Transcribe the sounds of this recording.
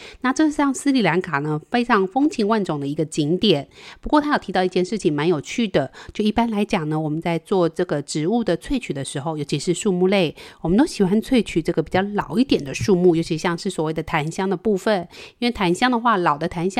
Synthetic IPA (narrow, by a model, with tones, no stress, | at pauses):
na˥˧ʈ͡ʂɤ˥˧ʂɻ̩˥˩ɕjɑ˥˩ŋsɹ̩˥li˨˩la˧˥nkʰa˨˩nə˦fe˥ɪʈ͡ʂʰɑ˧˥ŋfɤ˥ŋt͡ɕʰi˧˥ŋwa˥˩nʈ͡ʂʊ˨˩ŋd̪ə˦i˧˥ɡə˧t͡ɕi˧˥ŋt̪jɛ˨˩˦npu˧˥kwɔ˥˧t̪ʰa˥jt̪ʰt̪ɑ˥˧ʊi˥˩t͡ɕjɛ˥˧nʂɻ̩˥˩t͡ɕʰi˨˩ŋma˧˥njo˨˩ʊt͡ɕʰy˥˩d̪ə˩t͡ɕjo˥˧ʊi˥˩pa˥nla˧˥ɪt͡ɕjɑ˨˩ŋnə˦wɔ˨˩mə˦nt͡sa˥˧ɪt͡swɔ˥˧ʈ͡ʂɤ˥˩ɡə˩ʈ͡ʂɻ̩˧˥u˥˩d̪ə˩t͡sʰwe˥˩ɪt͡ɕʰy˨˩d̪ə˦ʂɻ̩˧˥xo˧ʊjo˧˥t͡ɕʰi˧˥ʂɻ̩˥˧ʂu˥˧mu˥˧le˥˩ɪwɔ˨˩mə˦nt̪o˥ɕi˨˩xwa˥nt͡sʰwe˥˩ɪt͡ɕʰy˨˩ʈ͡ʂɤ˥˩ɡə˩pi˨˩t͡ɕjɑ˥˩ʊlɑ˨˩ʊi˥˩t̪jɛ˨˩nd̪ə˦ʂu˥˧mu˥˩jo˧˥ʊt͡ɕʰi˧˥ɕjɑ˥˧ŋʂɻ̩˥˩swɔ˨˩we˥˩ɪd̪ə˩t̪ʰa˧˥nɕjɑ˥ŋd̪ə˨pu˥˧fə˨˩ni˥nwe˥˩ɪt̪ʰa˧˥nɕjɑ˥ŋd̪ə˨xwa˥˩lɑ˨˩ʊd̪ə˦t̪ʰa˧˥nɕjɑ˥